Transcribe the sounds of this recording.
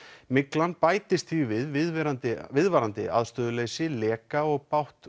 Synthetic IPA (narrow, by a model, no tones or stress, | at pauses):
mɪklanpaːjt̪ɪst̪θivɪðvɪðvɛɾant̪ɪvɪðvaːɾant̪ɪ̰a̰ðst̪œːðʏlejsɪlɛːkaɔɣpawht̪